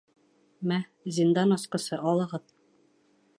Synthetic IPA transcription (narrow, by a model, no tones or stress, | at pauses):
mæzʲind̪ɑnɒsqɤ̆sɤʔɒlˠɤ̆ʁɤð